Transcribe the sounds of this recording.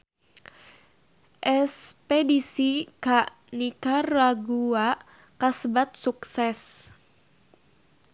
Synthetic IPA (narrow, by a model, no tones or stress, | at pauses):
ʔɛspedisikaʔ | nikaraɡua | kasəbat̪̚suksɛs